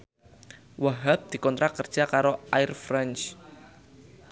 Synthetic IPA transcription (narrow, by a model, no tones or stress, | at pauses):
waɦap̚d̪̥i̤kɔnt̪ɾakərd̥ʒ̥akaɾoʔaɪrfɾɛnt͡ʃ